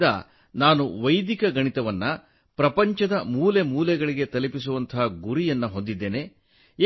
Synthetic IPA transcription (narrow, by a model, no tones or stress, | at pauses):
d̪ɐ̰ | naːnuʋɐjd̪ikɐɡɐɳit̪ɐʋɐnːɐ | pɾɐpɐɲt͡ʃɐd̪ɐmuːlemuːlɛɡɐɭiɡe̞t̪ɐlipis̬uʋɐnt̪ʰɐɦɐɡuɾijɐnːɐɦo̞nd̪id̪ːeːne̞